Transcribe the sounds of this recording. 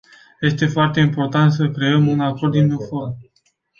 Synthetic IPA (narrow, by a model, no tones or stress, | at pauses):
je̞st̪e̞foart̪e̞impo̞rt̪ant̪s̬əkɾe̞əmunakord̪imnofod